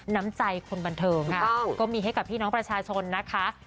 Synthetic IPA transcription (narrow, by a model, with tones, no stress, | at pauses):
na˦˥mt͡ɕa˧jkʰo˧nba˧nt̪ʰɤː˧ŋkʰa˥˩kɔː˥˩miː˧ɦa˥˩jka˨˩pʰiː˥˩nɔː˦˥ŋpɾa˧t͡ɕʰaː˧t͡ɕʰo˧nːa˦˥kʰa˦˥